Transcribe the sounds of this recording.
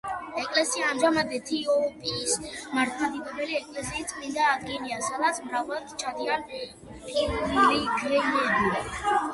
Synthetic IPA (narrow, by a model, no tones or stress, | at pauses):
ɛkʼlɛsiaːmʒamad̪ɛt̪ʰiɔpʼiːsmaɾt̪ʰad̪ibɔbɛliɛkʼlɛsiːst̪sʼmind̪aːd̪ɡiniasad̪at̪sʰmɾavalˠad̪̥t͡ʃʰad̪ian | pʼiɾunuliɡɾɛnɛɛbi